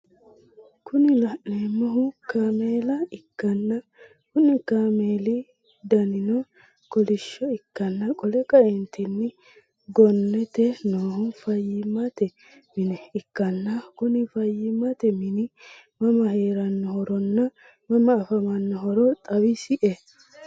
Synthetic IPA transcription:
kʰʊnɪlɐʔneːmːɔɦʊkaːmeːlɐɪkːɐnːɐ | kʊnɪkaːmeːlɪ | d̪ɐnɪnɔ | kɔlɪʃːɔɪkːɐnːɐkʼɔlɛkʼɐɛnt̪ɪnːɪ | ɡɔnːɛt̪ɛnoːhʊfɐjːɪmɐt̪ɛ | mɪnɛɪkːɐnːɐkʊnɪfɐjːɪmɐt̪ɛmɪnɪ | mɐmɐheːɾɐnːɔhɔɾɔnːɐ | mɐmɐːfɐmɐnːɔɦɔɾɔt̪ʼɐwɪsɪʔɛ

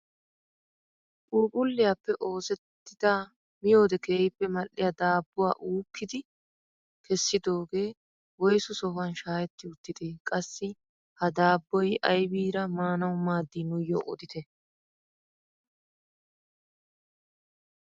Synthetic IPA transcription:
ʔuːpʼʊlːɪjɐpːɛʔo̞ːsɛt̪ːɪd̪̥a | mɪjo̞ːd̪ɛke̞ːjɪpːɛmɐlːɪjɐd̪aːbːʊwa̰ːʔuːkːɪd̪ɪ | kɛsːɪd̪o̞ːɡe̞ː | wɔjsʊsɔfɐnʃaːjɛt̪ːɪʊt̪ːɪd̪ɪkʼɐsːɪ | hɐd̪aːbːɔjɐjbiːɾɐmaːnɐwʊmaːd̪ːinʊjo̰ːʔɔ̰d̪ɪt̪ɛ

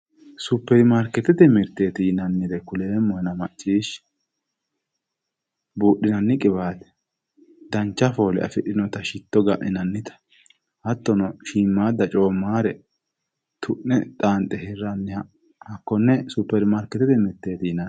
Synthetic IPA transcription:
sʊpːɛɾmaɾkɛt̪ːɛt̪ɛmɪɾt̪e̞ːt̪ɪjnɐnːɪd̪ɛkʊle̞ːmːɔhɛnɐmɐt͡ʃʼːiːʃ | buːʔːɪnɐnːɪkʼɪbaːt̪ɛ̥ | d̪ɐnt͡ʃːɐfoːlɛ̰ʔɐ̰fɪɗɪnɔt̪ɐʃɪt̪ːɔɡɐʔʔɛnɐnːɪt̪ɐ̥ | hɐt̪ːɔnɔʃiːmːaːd̪ɐt͡ʃʼoːmːaːɾɛ | t̪ʰʊʔnɛt̪ʼaːnt̪ʼːɛhɪrːɐnːɪhɐ | hɐkːɔnːɛsʊpːɛɾmaːɾkɛt̪ːɛt̪ɛmɪɾt̪ːe̞ːt̪ɪjɪnɐ

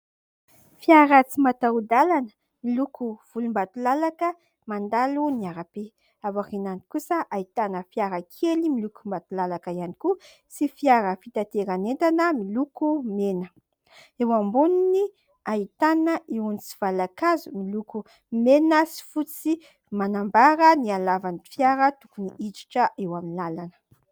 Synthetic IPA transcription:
fiaɾət͡simat̪aud̪alanə̥ | milukʰuv̥ulumbat̪ulalakə | mand̪aluniaɾape | avakinanikusəʔait̪anəfiaɾakʰelimilukumbat̪ulalakəianiku | sifiaɾəfit̪at̪eɾanent̪anəmilukumenə | ewambununi | ait̪anəʔewunit͡si̥v̥alakazumiluku | menəsi̥fut͡si | manambaɾənialavanifjaɾət̪ukuniʔit͡ʃi̥ʈ͡ʂəʔewaminlalanə̥

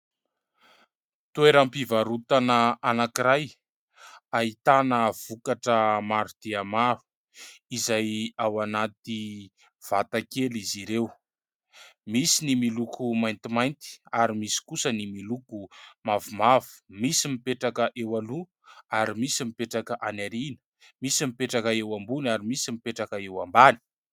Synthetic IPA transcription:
t̪ueɾampivaɾut̪anəanakiɾaj | ait̪anəv̥ukaʈ͡ʂəmaɾud̪̥eamaɾu̥ | izajawanat̪i | v̥at̪akeliziɾew | misinimilukʰumajnt̪imajnt̪i̥aɾimisi̥kusənimilukumavumavu̥misimipeʈ͡ʂakəʔewalu | aɾimisimipeʈ͡ʂakəʔanaɾinə̥ | misimipeʈ͡ʂakəewambunaɾimisimipeʈ͡ʂakəewambani̥

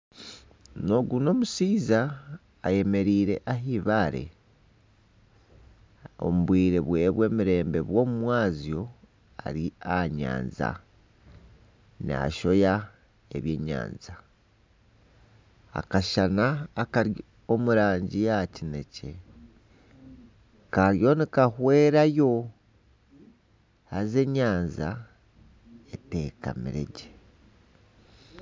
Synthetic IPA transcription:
no̞ɡuno̞musiːzaː | je̞me̞ɾiːɾe̞̰ʔaɦiβaɾe̞̰ | o̞̰muβwiːɾe̞βwe̞ːβwe̞ːmiɾe̞ːmbe̞βwo̞ːmumwaːzjo̞ | a̰ɾiaɲa̰ːnza̰ | na̰ʃo̞ja | e̞βje̞ːɲa̰ːnza | a̰kaʃanaːkaɾ | omuɾaːɲɟijacine̞ce̞ | kaɾjo̞nikahwe̞ːɾajo̞ | aze̞ɲaːnza | ete̞ːka̰miɾe̞̰ɟe̥

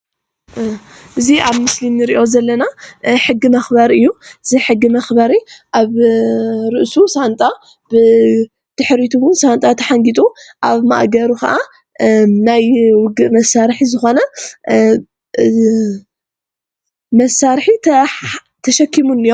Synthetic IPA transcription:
ʔɨziaβmɨslimnɨɾiʔo̞zɐlːɐnaħɨɡːimɐxbɐɾɨjːuʔɨziħɨɡːimɐxbɐɾiʔaβ | ɾɨʔsusant̪ʼa | b̥ɨ | d̪̥ɨħɾit̪ʰuwʊnsant̪ʼat̪ʰɐħaŋɡit̪ʼuʔaβma̰ʔɡɐɾukɐ̰ʔa | najwʊɡɨʔmɐsaɾħizɨxo̞nɐ | mɐsaɾħit̪ʰ | t̪ʰɐʃɐkʰːimunːɨjo

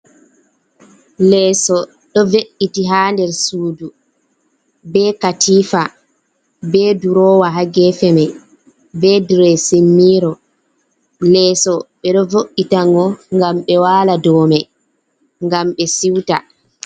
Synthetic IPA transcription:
lɛːsɔ | ɗɔveʔːitiɦaːndɛɾsuːdu | bɛːkatʰiːfa | bɛduɾɔːwaɦaɡɛfɛmɛ | bɛdɾɛsimːiːɾɔ | lɛsɔɓɛɗɔvoʔːitaŋɡɔŋɡamɓɛwaːladɔːmɛ | ŋɡamɓɛsiwta̰

